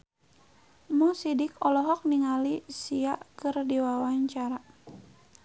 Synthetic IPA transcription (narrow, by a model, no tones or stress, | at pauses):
mɔsidikɔlɔɦɔk̚niŋalisiaʔkɨrdiwawaɲt͡ʃaɾa